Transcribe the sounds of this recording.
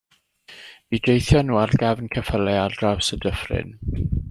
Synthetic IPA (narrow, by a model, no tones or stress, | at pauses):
b̥idejθjɔnuːarɡavnkʰəfəlɛadrawsədəfrɪ̰n